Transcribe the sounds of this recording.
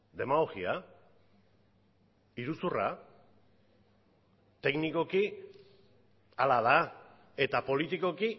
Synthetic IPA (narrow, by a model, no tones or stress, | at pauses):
d̪e̞maɣo̞xia | iɾusura̰ | t̪e̞kniko̞ki | alaða | e̞t̪apo̞lit̪iko̞ki